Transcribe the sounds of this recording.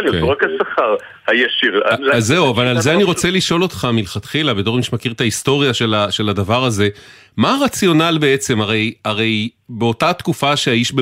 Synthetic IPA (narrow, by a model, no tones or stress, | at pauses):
ljoʁakasaχaʁ | hajaʃiʁzːeuavalalzeaniʁo̞t͡seliʃo̞lo̞tχamilχat̪χilabet̪o̞imiʃmakiʁt̪aisto̞ʁjaʃelaʃe̞ladavaʁaze̞ | maʁat͡sjo̞nalbeet͡se̞maʁe̞jaʁe̞j | be̞o̞tat̪kufaʃeaiʃbe